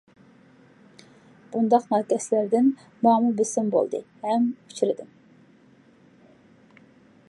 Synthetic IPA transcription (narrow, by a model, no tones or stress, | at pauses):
b̥und̪ɑχnɑːɡæslæɾd̪æn | mɑːmubisimbo̰lˠd̪ɯ̰hæmfi̥cʰɾid̪im